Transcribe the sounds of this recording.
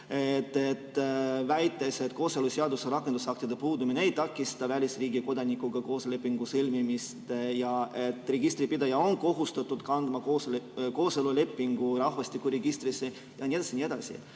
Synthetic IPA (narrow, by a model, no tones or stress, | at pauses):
et̪ːe̞t̪ːvæjt̪ːˑe̞se̞t̪ko̞ːseluseɑd̪useɾɑkːˑend̪usɑk̚t̪id̪epuːd̪umineejt̪ɑkːˑist̪ɑvælʲisriːɡiko̞d̪ɑnikːuɡɑko̞ːsle̞pːiŋɡ̥usɯlʲmimist̪jɑʔe̞t̪ːˑre̞ɡ̥ist̪ɾipid̪ɑjɑo̞nko̞ɦust̪ɑt̪ːˑud̪̥kɑnd̪̥mɑkoːsko̞ːselule̞pːiŋɡ̥uɾɑhvɑst̪ikːuɾeɡist̪ɾisːe | jɑnʲie̥ɑsinʲie̞d̪̥ɑ̰sḭ